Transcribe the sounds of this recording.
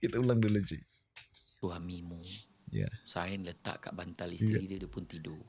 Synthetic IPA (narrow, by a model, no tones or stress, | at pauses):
kit̪aulaŋdəlod͡ʒik̚ | suɦamimũ | ja̰saɪnlət̪a̰ʔka̰ʔbant̪alist̪ɾidədəpʊnt̪ido